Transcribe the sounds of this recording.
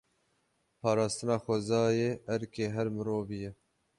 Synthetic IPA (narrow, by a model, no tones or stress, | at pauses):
pʰɑːɾɑːst̪ɨnɑːxʷɛzɑːjeːʔɛɾkeːɦɛɾmɨɾoːvijɛ